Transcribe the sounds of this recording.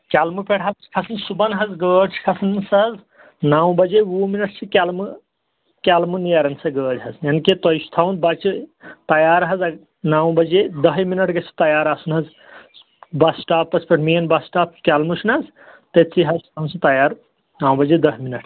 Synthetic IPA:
kʲalmupeɽɦɐz̥kʰɐsʰɐnsubɐnɦɐzɡəːɖt͡ʃʰkʰɐsʰnsɐɦɐz | naːw̃bɐd͡ʒeuminɐʈ̚ʰt͡ʃʰikʲalmu | kʲalmunijaɾɐnsɐɡəːɦɐzjɐnket̪ɐjst̪ʰawnbɐt͡ʃʰit̪ɐjaːɾɦɐzɐ | naːwbɐd͡ʒed̪ɐɦjminɐʈʰɡɐt͡ʃʰi̥t̪ɐjaːɾasunɦɐz | bɐsʈaːpːɐspɐʈʰminbɐsʈaːp̚kʲalmut͡ʃʰnɐz | t̪et͡sʰiɦɐzst̪ʰansɐt̪ɐjaːɾ | naːwbɐd͡ʒed̪ɐɦminɐʈʰ

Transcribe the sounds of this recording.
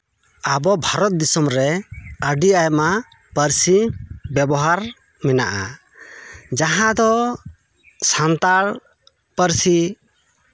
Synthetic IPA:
abɔbʱaɾɔt̪̚d̪isɔmɾɛəɖiajma | pəɾsibɛbɔɦaɾ | mɛna̰ʔa̰ | d͡ʒaɦãd̪ɔ | sant̪aɽ | pəɾsi

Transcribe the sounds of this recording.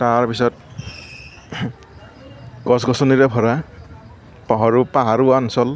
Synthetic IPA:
taɹpisɔt̚ | kɔsɡɔsɔniɾɛpʰɔɹa | paɦɔɹupaɦaɹuansɔl

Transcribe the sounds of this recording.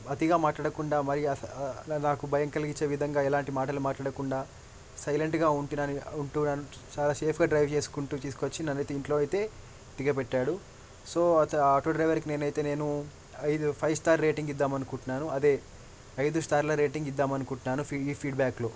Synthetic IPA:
ɐt̪iɡaːmaːʈlaːɽɐkuɳɖaːmɐɾiɐnaːkubʱɐjɐŋkɐlɐɡit͡ʃːeːʋid̪ʱɐŋɡaːɛlaːɳʈimaːʈɐlumaːʈlaːɽɐkuɳɖaː | sɐjleɳʈɡaːuɳʈinɐniuɳʈuːnɐnu | t͡ʃaːlaːse̞ːpʰɡaːɖɾɐjʋt͡ʃe̞ːsu̥kuɳʈuːt̪iːsukot͡ʃːinɐnːɐjt̪eiɳʈlo̞ːɐjt̪e̞ː | d̪iɡɐpɛʈːaːɽu | so̞ːʈuɖɾɐjʋɐɾkine̞ːnɐjt̪e̞ːne̞ːnu | ɐjd̪upʰɐjʋst̪aːɾɾe̞ːʈiŋɡid̪ːaːmɐnukuɳʈunːaːnuɐd̪eː | ɐjd̪ust̪ʰaːɾlɐɾe̞ːʈiŋɡid̪ːaːmɐnukuɳʈunːaːnupiiːpʰiːɖbaːkloː

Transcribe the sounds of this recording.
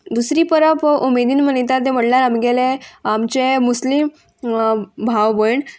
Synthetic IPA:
d̪usɾiːpəɾəpumed̪iːnmənet̪at̪ɛm̤əɽlaɾamɡɛleamt͡ɕemuslim | bʱawʋəjɳ

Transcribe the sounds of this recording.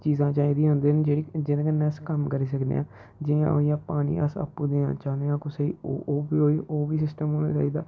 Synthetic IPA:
t͡ʃiːzãːt͡ʃaːiːd̪iːɦʊ̃nd̪eːnd͡ʒeːɽiːd͡ʒɪñːkənːɛskəmkəɾiːs̬əkd̪ḛã̰ | d͡ʒɪã̰ːojãːpaːnḭːʔə̰sə̰pːuːd̪eːã̰ːt͡ʃaːd̪ẽãːkosəiːo̰oːbiːoːiːʔoːbiːsɪsʈəmɦoːna̰ːt͡ʃa̰ːiːd̪aː

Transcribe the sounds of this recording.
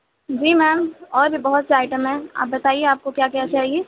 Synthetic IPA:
d͡ʒiːmɛːmɔːɾbʱibɐɦʊt̪seaːɪʈəmɦɛ̃a̰ːp̚bɐt̪aːieaːp̚kokjaːkiat͡ʃaːɦieː

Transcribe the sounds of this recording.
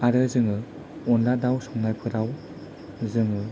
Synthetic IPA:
aɾɯzɯŋɯ | ɔnladawsɔŋnajpʰɯɾaw | zɯŋɯ

